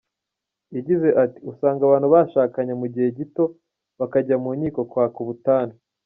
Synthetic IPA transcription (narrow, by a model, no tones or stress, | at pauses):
iɟize̞ʔati̥usaːŋɡaβaːnhuβaːʃaːkaɲamuɟihe̞ɟito̞ | βakaɟamuːɲiːko̞kwaːkuβutaːna